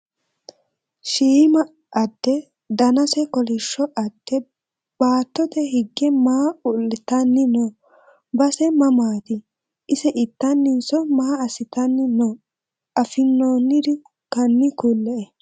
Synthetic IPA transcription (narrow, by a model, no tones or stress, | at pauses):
ʃiːmɐ | ʔɐd̪̥ːɛ | d̪ɐnɐsɛkɔlɪʃːɔʔɐd̪̥ːɛ | b̥aːt̪ːɔt̪ɛɦɪɡːɛmaːʊlːɪt̪ɐnːɪnɔ | bɐsɛmɐmaːt̪ɪ | ʔɪsɛʔɪt̪ːɐnːɪnsɔmaːɐsɪt̪ɐnːɪnɔ | ʔɐfɪnːoːnːɪd̪ɪ | kɐnːɪkulːɛʔɛ